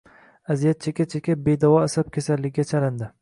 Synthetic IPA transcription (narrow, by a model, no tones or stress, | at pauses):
azijat̪̚t͡ʃʰekʲat͡ʃʰekʲabed̪ɒwɒasab̚kʲʰasalːɪɡʲɡʲat͡ʃʰalɪnd̪ɪ